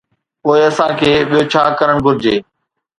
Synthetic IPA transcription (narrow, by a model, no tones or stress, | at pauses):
poːɪɐsãːkʰeːɓijot͡ɕʰaːkɐɾəɽ̃ɡʱʊɾɪd͡ʑeː